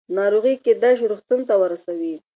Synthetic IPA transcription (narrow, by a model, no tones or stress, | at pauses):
nɑɾoɣiked̪aʃɾoxt̪unt̪awəɾasawi